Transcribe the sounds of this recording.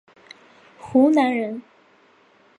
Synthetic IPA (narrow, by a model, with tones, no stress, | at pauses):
xu˧˥na˧˥nɻə˧˥n